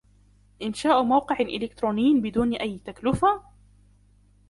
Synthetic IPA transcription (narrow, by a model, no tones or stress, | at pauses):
ʔɪnʃaːʔmawqɨʕʔɪ̰lɪkt̪ɾuːnɪjːnbɪd̪uːnʔajːt̪aklʊfa